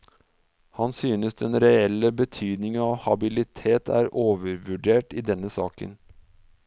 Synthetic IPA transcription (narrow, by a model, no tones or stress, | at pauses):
hɑnsyːnəsd̪ɛnɾɛɛlːəbət̪ʰyːd̪nɪŋəɑːhɑbɪlɪt̪ʰeːt̪ʰæ̰ːɾʔoːʋəɾʋʉɖeːʈiːd̪ɛnːəsɑːkə̰n